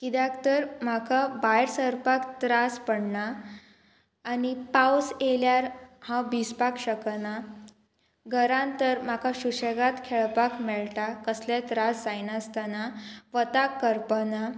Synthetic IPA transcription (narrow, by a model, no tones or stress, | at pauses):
kid̪jakt̪əɾm̤akʰabajɾsəɾpakt̪ɾaspəɽna | nipawseljaɾhãbispakɕəkna | ɡʱəɾãnt̪əɾm̤akaɕuɕeɡat̪kʰeɭpakmɛɭʈakəslet̪ɾasd͡zajnast̪anaʋət̪akːəɾpəna